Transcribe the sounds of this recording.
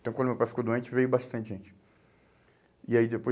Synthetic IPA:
t̪ɐ̃wkɐ̃d̪ʊmewpajfi̥kod̪uẽnt͡ʃɪvejʊbaʃt̪ɐ̃t͡ʃɪʒẽt͡ʃɪ̥ | ɪaid̪epo

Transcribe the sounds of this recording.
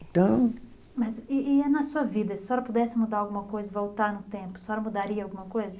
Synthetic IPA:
t̪ɐ̃w̃ | mɐzɪɪɛnɐsuɐvid̪ɐsɪ̥sɔɾɐpod̪ɛsɪmud̪aɾawɡũmɐkojzɐvowt̪aɾnʊt̪ẽpʊ̥sɔɾɐmud̪aɾiɐawɡũmɐkojzɐ

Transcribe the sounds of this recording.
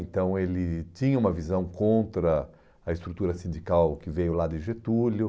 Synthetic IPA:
ẽnt̪ɐ̃w̃elɪt͡ʃ̪ĩɲɐũmɐvizɐ̃w̃kõnt̪ɾɐ | ɐɪst̪ɾut̪uɾɐsĩnd͡ʒ̪ikawkɪvejʊlad̪ɪʒet̪ulʊ

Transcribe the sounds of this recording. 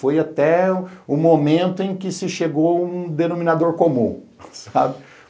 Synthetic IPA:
fojat̪ɛʊmomẽnt̪ʊẽj̃kɪsɪʃeɡowũd̪enomĩnad̪oɾkomṵ̃ | sa̰bɪ

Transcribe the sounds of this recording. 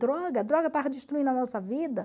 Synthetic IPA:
d̪ɾɔɡɐːd̪ɾɔɡɐt̪aʁed͡ʒiʃt̪ɾuĩd̪ɐnɔsɐvid̪ɐ

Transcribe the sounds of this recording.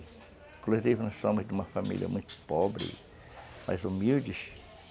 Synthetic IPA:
ĩkoluzivʊnɔssõmʊzd̪ɪũmɐfamḭljɐ̰mũj̃t̪ʊ̥pɔbɾɪ̰ | ma̰jzumiwd͡ʒɪs

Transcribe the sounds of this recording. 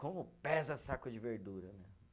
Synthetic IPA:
kõmʊpɛzɐsakʊd͡ʒɪveɾd̪uɾɐnɛ

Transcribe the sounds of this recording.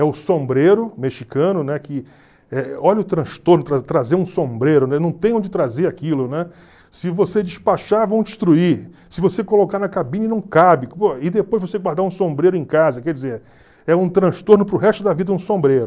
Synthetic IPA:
ɛʊsõmbɾeɾʊmeʃikɐ̃nʊnɛkɪ | ɛɔʎɐʊt̪ɾɐ̃ʃt̪oɾnʊt̪ɾat̪ɾazeɾũsõmbɾeɾʊnɛnɐ̃w̃t̪ẽj̃õd͡ʒɪt̪ɾazeɾakilʊnɛ | sɪvosed͡ʒɪʃpaʃavɐ̃w̃d͡ʒɪʃt̪ɾui | sɪvosekolokaɾnɐkabĩɲɐnɐ̃w̃kabɪpoɐɪd̪epojzvoseɡwaɾd̪aɾũsõmbɾejɾʊẽj̃kazɐkɛhd͡ʒɪzeɾ | ɛũt̪ɾɐ̃ʃt̪oɾnʊpɾʊɦɛʃt̪ʊd̪ɐvid̪ɐũsõmbɾejɾʊ

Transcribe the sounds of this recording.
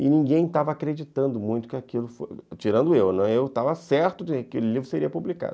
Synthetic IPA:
ɪ̰nĩɡẽj̃t̪avɐːkɾed͡ʒit̪ɐ̃nd̪ʊmũj̃t̪ʊ̥kɪakilʊfo̰t͡ʃiɾɐ̃nd̪ʊewnɐ̃ewt̪avɐsɛɾt̪ʊɪakelɪlivɾʊseɾiɐpublika̰d̪ʊ

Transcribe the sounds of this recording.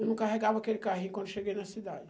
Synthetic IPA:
unukaɦeɡabakeɾkaɦikonseɡenɐsid̪ad͡ʒ

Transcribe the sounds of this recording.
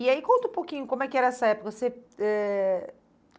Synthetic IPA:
iaikõnt̪ɐũpowkĩɲʊkõmʊɛkɪɛɾɐɛsɐɛpokɐseɛ

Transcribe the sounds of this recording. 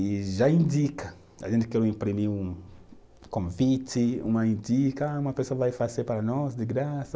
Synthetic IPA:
iʒaĩndikɐ | a̰ʒẽnt̪ɪkɛɾʊĩmpɾimiɾũ | kõvit̪ɪṵ̃mɐĩndikɐũmɐpesoɐvajfazeɾpaɾɐnɔzd̪ɪɡɾasɐ

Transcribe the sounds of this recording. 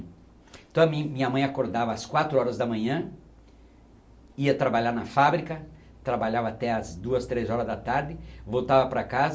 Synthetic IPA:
t̪ɐ̃w̃ɐmĩmĩɲɐmɐ̃j̃akoɾd̪avɐːskwat̪ɾʊɔɾɐzd̪ɐmɐ̃ɲɐ̃ | iɐt̪ɾabaʎaɾnɐfabɾikɐ | t̪ɾabaʎavɐːt̪ɛɐzd̪uɐst̪ɾezɔɾɐzd̪ɐt̪aɾd̪ɪvowt̪avɐpɾɐkazɐ

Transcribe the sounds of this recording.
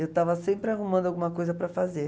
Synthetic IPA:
ewt̪avɐsẽmpɾɪahumɐ̃nd̪awɡũmɐkojzɐpɾɐfaze

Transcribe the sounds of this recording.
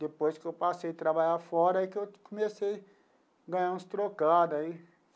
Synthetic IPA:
d̪epojskɪewpasejt̪ɾabaʎaɾfɔɾɐikɪewkomesej | ɡɐ̃ɲ̃ãũst̪ɾokad̪ai

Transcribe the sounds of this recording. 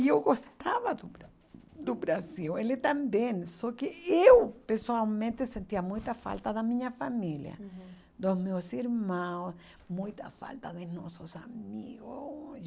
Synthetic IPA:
iewɡost̪aβad̪ʊɾ | d̪ʊbɾasiwelet̪ãmbẽŋsokeewpeɾsoalmẽnt̪esẽnt̪iɐmũjt̪ɐfa̰lt̪ɐðamĩɲɐfamiljɐ̰ | d̪osmewsiɾmãws | mũjt̪a̰fa̰lt̪ɐðenɔsosamḭɣo

